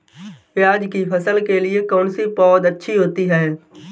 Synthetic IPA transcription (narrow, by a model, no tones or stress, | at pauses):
jaːd͡ʒkipʰɐsəlkeliekɔːnsipɔːd̪ɐtːʃʰiɦoːt̪iɦɛː